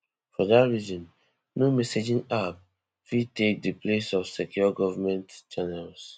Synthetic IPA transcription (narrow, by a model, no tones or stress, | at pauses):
fɔðatɹizɔ̃n | nomɛsed͡ʒĩnab | fitek̚dəplesɔfsɛkjuɡɔvamɛ̃ntt͡ʃanals